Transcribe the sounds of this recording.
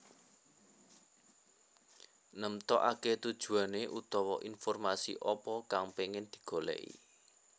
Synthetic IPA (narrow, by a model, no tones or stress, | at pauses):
nəmt̪ɔ̰ʔaket̪ud̥ʒ̥ṳaneʔut̪ɔwɔʔinfɔrmasḭʔɔpɔkaŋpeŋɪnd̪̥i̤̥ɡ̥o̤lɛ̰ʔḭ